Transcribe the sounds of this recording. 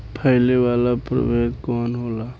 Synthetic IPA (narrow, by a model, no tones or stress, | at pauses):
pʰəɪlewalapɾə̰beɡkɔnɦola